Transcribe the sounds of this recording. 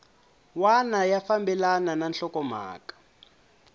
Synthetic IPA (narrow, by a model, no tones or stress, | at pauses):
wanajafambɛlanananɬɔkɔma̰ːkḁ